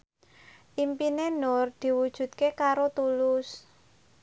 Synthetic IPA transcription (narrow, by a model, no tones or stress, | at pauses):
ʔimpinenʊrd̪̥i̤wud̥ʒ̥ṳt̪̚kekaɾot̪ulʊs